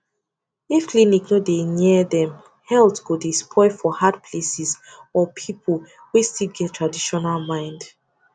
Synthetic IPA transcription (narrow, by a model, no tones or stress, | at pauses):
ifkliniknodenɛðɛ̃m | hɛlθkudispʰɔɪfɔhadpʰlesiz | ɔpʰipʰol | wistilɡɛttʰɹadiʃɔnalmãɪ̃nd